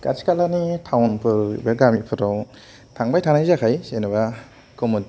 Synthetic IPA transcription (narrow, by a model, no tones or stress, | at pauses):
ka̰si̥kalanitʰawnpʰɯɾbaɡamipʰɯɾaw | tʰaŋbajtʰanajzakʰajsenɯba | komun